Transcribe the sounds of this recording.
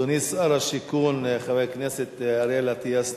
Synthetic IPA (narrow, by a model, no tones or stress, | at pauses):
onisaɾaʃikunχavejkneset̪aɾelat̪ijas